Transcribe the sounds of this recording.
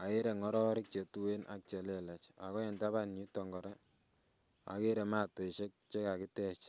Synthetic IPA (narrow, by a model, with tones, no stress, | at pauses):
a˨e˦ɾe˨ŋɔ˦ɾɔ˦ɾɪ˦k̚t͡ʃe˨tu˦we˦nʔa̰˨k̚t͡ʃe˨le˦lɛ˨t͡ʃa̰˨kɔ˦ɛ˨nta˦βa˦ni˦tɔ˨ŋɡɔ˨ɾɛ˦ | a̰˨ke˦ɾe˨ma˦to˨ʃe˦k̚t͡ʃe˦ka˨kɪ˦tɛ˦t͡ʃ